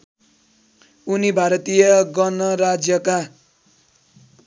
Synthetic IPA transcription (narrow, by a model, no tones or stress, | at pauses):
unibʱaɾʌt̪ijʌɡʌnʌɾad͡zjʌka